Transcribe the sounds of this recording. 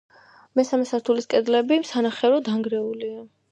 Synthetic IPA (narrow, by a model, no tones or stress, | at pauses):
mɛsamɛsaɾt̪ʰuliskʼɛd̪lɛbimsanaχɛɾɔd̪aŋɡɾɛulia